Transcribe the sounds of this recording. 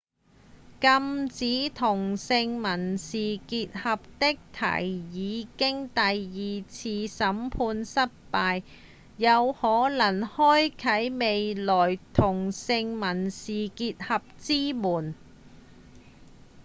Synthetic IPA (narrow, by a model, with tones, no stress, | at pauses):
kɐ˧mt͡siː˨˥t̪ʰʊ˨˩ŋsɪ˧ŋmɐ˨˩nsiː˨˩kiː˧t̚hɐ˨p̚t̪ɪ˥k̚t̪ʰɐ̰˨˩jjiː˨˧kɪ˥ŋt̪ɐ˨jːiː˨t͡sʰiː˧sɐ˨˥mpʰuː˧nsɐ˥t̚paː˧jː | ɐ˨˧whɔː˨˥lɐ˨˩ŋhɔː˥jkʰɐ˨˥jme˨jlɔː˨˩jt̪ʰʊ˨˩ŋsɪ˧ŋmɐ˨˩nsiː˨kiː˧t̚hɐ˨p̚t͡siː˥muː˨˩n